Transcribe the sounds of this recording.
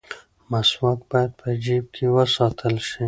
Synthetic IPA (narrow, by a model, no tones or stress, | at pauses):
maswak̪̚bɑjad̪̚pəd͡ʒiːb̚kʰiwəsɑːt̪ʰəlʃi